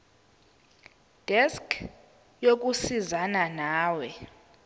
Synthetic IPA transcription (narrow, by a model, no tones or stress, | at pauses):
d̥ʱɛskʰ | jok̬usizananaːwɛ